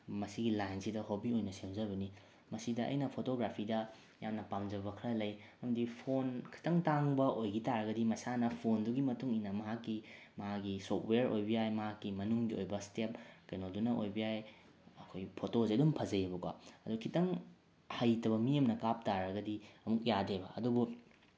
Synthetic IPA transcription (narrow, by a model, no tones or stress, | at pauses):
mɐsiɡilajnsidɐhobiojnɐsemzɐβɐni | mɐsidɐʔɐ̰jnɐpʰotoɡɾapʰidɐ | jamnɐpamd͡ʒɐbɐkʰɾɐlɐjɐmɐdipʰonkʰi̥tɐŋtaŋbɐʔojɡitaɾɐɡɐdimɐsanɐpʰonduɡimɐtuŋinɐmɐɦakːi | mɐɦaɡisotʰweɾo̰jbɐjajmɐɦakːimɐnuŋɡio̰jbɐstep̚kɐjnodunɐʔojbɐjaj | ɐkʰojpʰotozedumpʰɐzɐjɐbɐkwa̰ɐdukʰitɐŋ | hajtɐβɐmijɐmnɐkap̚taɾɐɡɐdiɐmuk̚jadebɐɐdubu